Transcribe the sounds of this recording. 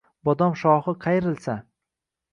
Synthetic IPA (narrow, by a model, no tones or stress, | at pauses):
bɒd̪ɒmʃɒhɨqʰɑjɪɾɪlsa